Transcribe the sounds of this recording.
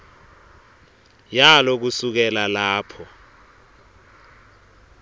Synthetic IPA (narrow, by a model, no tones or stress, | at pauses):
jalok̬usuk̬ɛlalaːpʰɔ